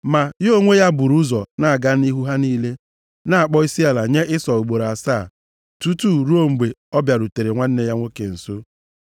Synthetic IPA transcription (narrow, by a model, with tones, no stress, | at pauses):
ma˨jo˦ŋʷe˦ja˦bu˨ɾu˦zɔ˨na˦˨a˨ɡa˦n˦i˦ɦu˦ɦa˦niː˦le˦ | na˦˨a˨k͡pɔ˦i˦si˦a˦la˨ɲe˦ʔɪ˦sɔ˨u˨ɡ͡bo˨ɾa˨saː˦˨ | tu˦tu˦˨ɾu˦o˦ŋ͡m̩˨ɡ͡be˨ɔ˦bja˨ɾu˨te˨ɾe˨ŋʷa˦n̩˦ne˦ja˦ŋʷo˦ke˨n̩˨so˦